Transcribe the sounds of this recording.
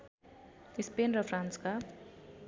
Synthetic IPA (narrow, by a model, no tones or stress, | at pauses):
ispenrʌfʰrãnska